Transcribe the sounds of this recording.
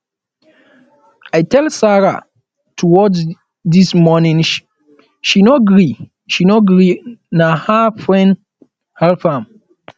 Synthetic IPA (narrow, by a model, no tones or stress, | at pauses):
ajtɛlsaɹa̰ | tʰuwɔds | dismɔnĩnʃ | ʃinɔɡɹi | ʃinoɡɹinahafɹɛ̃nd | hɛlfãm